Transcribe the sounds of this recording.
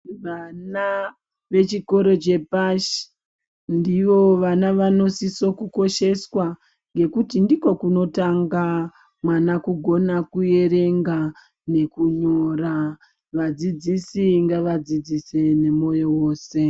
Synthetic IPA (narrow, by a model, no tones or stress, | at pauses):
ʋana | ʋe̞t͡ʃiko̞ɾo̞t͡ʃe̞paʃi̥ | ndiʋo̞ʋanaʋano̞siso̞kuko̞ʃe̞swa | ŋɡe̞kutindiko̞kuno̞taŋɡa | mwanakuɡʱo̞nakuje̞ɾe̞ŋɡa | ne̞kuɲora | ʋad͡zid͡zisiŋɡaʋad͡zid͡zise̞ne̞mo̞jowo̞ːse̞